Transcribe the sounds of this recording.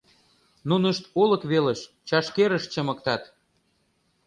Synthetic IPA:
nunəʃt̪olə̆kβeləʃ | t͡ɕɑʃkeɾəʃt͡ɕəmə̆k̚t̪ɑt̪

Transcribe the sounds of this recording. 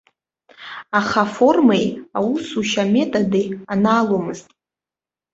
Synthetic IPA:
aχafo̞rmejausuʃame̞tʼadejanaːlomɨztʼ

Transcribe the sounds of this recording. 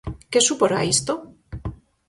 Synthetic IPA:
kesupoɾa̰ist̪o

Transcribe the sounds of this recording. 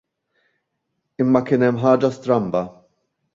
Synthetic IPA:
ɪmːɐkɪːnɛmːħɐːd͡ʒɐst̪ɾɐmbɐ

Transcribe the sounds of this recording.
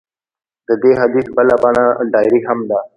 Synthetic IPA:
d̪əd̪eɦɐd̪iːsbəlapaɳaɖaːɪɾiɦəmd̪aː

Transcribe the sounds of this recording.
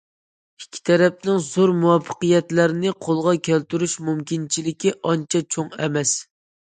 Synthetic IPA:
ikʲʰːi̥t̪ʰɛɾɛp̚nɪŋzoɾmuwɑpʰːə̥qɨjɛt̪læɾɪnɪqʰolˠʁɑkʲʰælt̪yɾyʃmumkʲint͡ʃʰilɪkʲiʔɑnt͡ʃʰɛt͡ʃʰoŋɛmɛs

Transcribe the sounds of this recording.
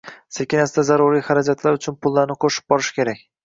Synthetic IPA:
sekʲɪnasɪd̪azaɾʊɾijχaɾad͡ʒat̪ʰlaɾʊt͡ʃʰʊnpʰʊlˠːaɾnɪqʰoʃɪ̥b̚bɒɾɪʃkʲe̞ɾakʲ

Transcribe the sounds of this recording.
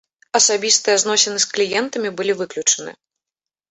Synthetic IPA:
ɐsabʲist̪ɨjɐznɔsʲɛnɨsklʲijɛnt̪ɐmʲibɨlʲivɨklʲut͡ʂɐnɨ̰

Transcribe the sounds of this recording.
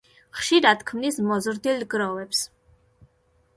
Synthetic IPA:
χʃiɾat̪kʰmnismɔzɾd̪ilɡɾɔvɛps

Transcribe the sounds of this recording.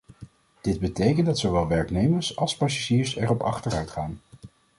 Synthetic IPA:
d̥ɪd̚bətejkəndɑtsoʋɛlˠʋɛɹknejməɹsɑlˠspɑsaʒiːɹsɛɹɔpɑ̰χtəɹœɥtχaːn

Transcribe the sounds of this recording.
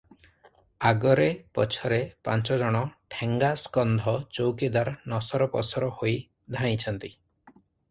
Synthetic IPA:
aɡɔɾepɔ̰t͡ʃʰɔɾepa̰nt͡ʃɔd͡ʒɔɽ̃ɔʈʰeŋɡaskɔnd̪ʱɔt͡ʃowkid̪aɾnɔsɔɾɔpɔ̰sɔɾɔhoj | d̪ʱaɽ̃ĩt͡ʃʰɔnt̪i

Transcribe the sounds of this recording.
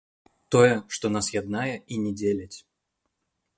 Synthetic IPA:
t̪ɔjɛʂt̪ɔnasjad̪najɐinʲɛdʲelʲɐt͡sʲ

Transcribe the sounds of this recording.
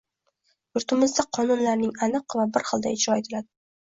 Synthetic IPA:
jʊɾt̪ʰɪmɪzd̪aqʰɒnʊnlaɾnɪŋanɨqvabɪɾχɨlˠd̪aɪd͡ʒɾɒe̞t̪ʰɪlad̪ɪ

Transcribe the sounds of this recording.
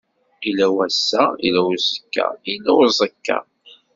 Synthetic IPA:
ilæwæsːæḭlæwzˤəkːa̰ilæwzˤəkːɑ̰

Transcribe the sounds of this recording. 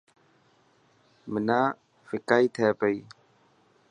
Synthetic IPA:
mənãː | fɪkaːiːt̪ʰɛːpəiː

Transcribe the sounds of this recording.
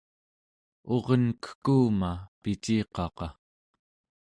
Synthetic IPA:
o̞ʁʌnkə̥xkuːmapit͡ʃiːqɑqɑ

